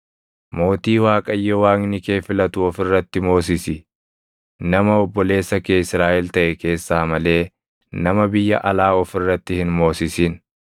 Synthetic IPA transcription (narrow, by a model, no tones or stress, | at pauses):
mo̞ːt̪iːwaːkʼɐjːɛwaːŋnɪke̞ːfɪlɐt̪ʊɔfɪrːɐt̪ːɪmo̞ːs̬ɪsɪ | nɐmɐɔbːɔle̞ːsːɐkeːɪsɾaːʔɛlt̪ɐʔɛke̞ːsːaːmɐle̞ː | nɐmɐbɪjːɐ̰ʔɐlaːɔfɪrːɐt̪ːɪhɪnmo̞ːsɪsiːn